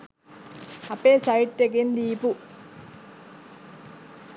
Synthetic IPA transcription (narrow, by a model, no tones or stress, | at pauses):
ɐpːesaiʈːek̬end̪iːpu